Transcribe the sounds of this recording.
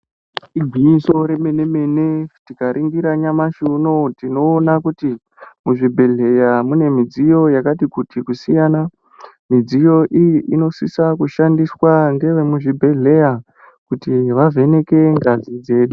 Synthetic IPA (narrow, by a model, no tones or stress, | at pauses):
iɡʱwiiso̞ɾe̞menemenetikaɾʔiŋɡiɾaɲamaʃuno̞tino̞ːnakuti | muʐibʱe̞ɮe̞jamune̞mid͡zijo̞jakatikutʰikusijaːna | mid͡zijo̞ʔijiʔino̞sisakuʃandiswaŋɡe̞ʋemuʐibʱe̞ɮe̞ja | kutiʋave̞ne̞ke̞ŋɡad͡zid͡ze̞ːɗu